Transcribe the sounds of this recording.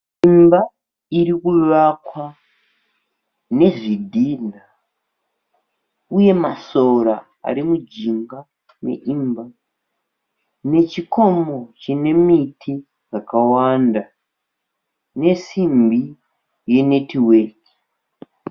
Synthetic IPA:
imba | irikuʋakwa | ne̞ʐidʱina | uje̞maso̞ɾa | a̰ɾimud͡ʒiŋɡa | me̞̰ʔimba | ne̞t͡ʃiko̞mo̞t͡ʃine̞mitʰi | d͡zakawanda | ne̞simbi | je̞ne̞tiweki̥

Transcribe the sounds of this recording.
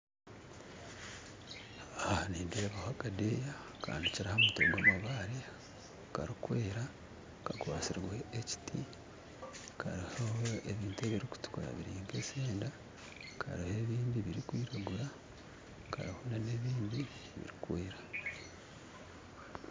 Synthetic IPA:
ahniːndeβahaɡadeja | ka̰ːndiciɾihamuto̰ɡwaːmaβaɾi | kaɾikweːɾa | kakwaːsiɾɡweeci̥tʰi | kʰa̰ɾihooeβiːntue̞βiɾiku̥tu̥koɾa̰βiɾiːŋɡeseːnda | kʰa̰ɾihe̞βiːndiβiɾikwiːɾaɡuɾa | kʰa̰ɾihonane̞ːβiːndi | βḭɾikweːɾa

